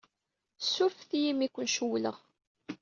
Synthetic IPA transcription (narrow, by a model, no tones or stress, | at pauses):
sufθijimikʷːənʃuwlə̰ʁ